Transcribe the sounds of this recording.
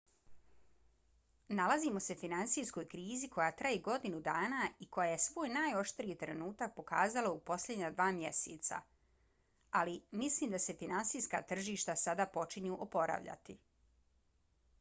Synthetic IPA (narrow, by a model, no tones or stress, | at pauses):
nalazimo̞se̞finansijsko̞jkɾiːzikʰo̞jaːt̪ɾajeɡo̞d̪inud̪aːnaːiko̞jaje̞sʋoːjnaːjo̞ʃt̪ɾiːt̪ɾenuːt̪ak̚po̞kaːzalaupo̞slʲe̞d̪ɲad̪ʋaːmjeseːt̪sa̰ | alimisliːmd̪ase̞finansiːjska̰ːt̪r̩ʒiːʃt̪asad̪aːpo̞t͡ʃiɲuʔopo̞ɾa̰ʋʎa̰t̪i